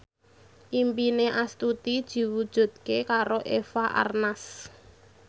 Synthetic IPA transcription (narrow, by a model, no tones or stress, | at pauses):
ʔimpineʔast̪ut̪id̥ʒ̥i̤wud̥ʒ̥ṳd̪̥̚kekaɾoʔefaʔa̰rnas